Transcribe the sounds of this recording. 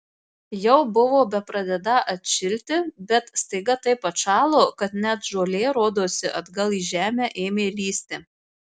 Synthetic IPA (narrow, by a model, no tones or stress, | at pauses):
jɛʊbʊʋoːbʲɛpɾɐd̪ʲɛd̪ɐʔɐt̪ʲʃʲɪlʲt̪ʲɪbʲɛt̪st̪ɐɪɡɐt̪ɐɪpɐʃɑːlˠoːkɐt̪nʲæt̪ʒoːlʲeːɾoːd̪oːsʲɪʔɐd̪ɡɐlˠiːʒʲæːmʲæʔeːmʲeːlʲiːsʲt̪ʲe